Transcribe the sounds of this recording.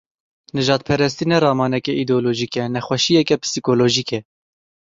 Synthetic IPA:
nɨʒɑːt̪̚pʰɛɾɛs̬t̪inɛɾɑːmɑːnɛkɛʔid̪oːloːʒikɛnɛxwɛʃijɛkɛpʰɨ̥sikoːloːʒikɛ

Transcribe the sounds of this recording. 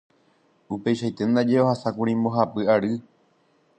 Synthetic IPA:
upe̞jʃajt̪e̞nd̪ad͡ʒe̞ohasakũɾĩmbo̞ɦapɨaɾɨ

